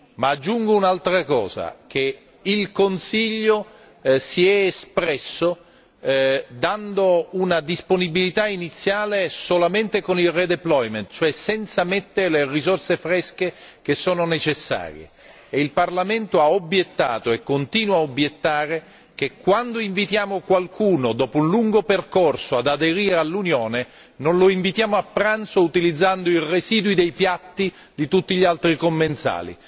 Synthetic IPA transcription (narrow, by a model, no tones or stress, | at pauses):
maːd͡ʒːuŋɡounalt̪ɾakɔ̰ːza̰k̟e | ilkonsiʎːo | siɛːspɾɛsːo | d̪and̪ounad̪isponibilit̪ainit̪sːjaːlesolament̪ekonilred̪eplɔjment̪̚t͡ʃoɛsɛnt̪samet̪ːeɾelerizorsefɾɛsk̟ek̟esːoːnonet͡ʃesːa̰ːɾjḛː | ilparlament̪oaobːjet̪ːa̰ːt̪oekːont̪iːnwaobːjet̪ːaːɾe | k̟ekːwand̪oiɱvit̪jaːmokwalkuːnod̪ɔːpounluŋɡoperkorsoad̪ad̪eɾiːɾealːunjoːne | nonloiɱvit̪jaːmoapːɾant̪sout̪ilid̪zːand̪oireziːd̪wid̪ejpjat̪ːi | d̪it̪ut̪ːiʎialt̪ɾikomːent̪sa̰ːlḭ